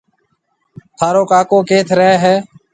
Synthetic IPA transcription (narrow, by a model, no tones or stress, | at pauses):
t̪ʰaːɾoːkaːkoːkeːt̪ʰɾəɦeːɦɛː